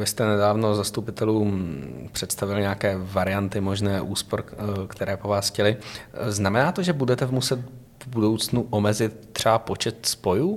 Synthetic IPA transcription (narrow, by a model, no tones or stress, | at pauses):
vɪst̪ɛnɛdaːvno̞zast̪upɪt̪ɛluːpr̥ɛt̪st̪avɪlɲɛakɛːvaɾɪjant̪ɪmo̞ʒnɛːʔuːspoɾkt̪ʰɛɾɛːpo̞vaːsxcɛlɪznamɛnaːt̪oʒɛbudɛt̪ɛmusɛt̪ | vbudo̞wt͡snuʔomɛzɪt̪ːr̥ɛapo̞t͡ʃɛt̪spo̞juː